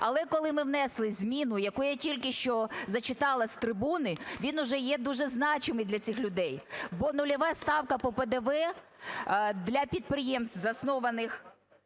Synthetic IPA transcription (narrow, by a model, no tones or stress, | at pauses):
ɐlˠɛkɔlˠɪmɪwn̪ɛslˠɪzʲmʲinʊjɐkujɐtʲilʲkɪʃt͡ʃɔzɐt͡ʃɪt̪ɑlˠɐsʲt̪ɾɪbunɪʋʲinʊʒɛjɛd̪uʒɛznɑt͡ʃɪmɪjd̪lʲɐt͡sʲɪxlʲʊd̪ɛjbɔnʊlʲɐʋɑst̪ɑwkɐpɔped̪eʋɛ | d̪lʲɐpʲid̪̚pɾɪjɛmst̪zɐsnɔʋɐnɪx